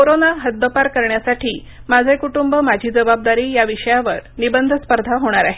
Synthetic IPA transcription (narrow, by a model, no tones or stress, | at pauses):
koɾonaɦət̪̚d̪əpaɾkəɾɳjasaʈiː | mad͡zʱekuʈumbəmad͡ʑʱiːd͡zəbab̚d̪aɾiːjaʋiʂəjaʋəɾnibənd̪ʱəspəɾd̪ʱaɦoɽ̃aɾaɦe